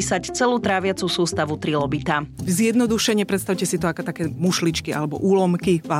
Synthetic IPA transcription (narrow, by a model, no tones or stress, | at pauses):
isact͡sɛluːt̪ɾaːʋɪat͡susuːst̪aʋut̪ɾilɔbit̪azjɛd̪nɔd̪uʃɛɲɛpɾɛt̪st̪aʊcɛsit̪ɔakɔt̪akɛːmuʃlit͡ʃkia̰lɛbɔ̰ʔuːlɔmkiva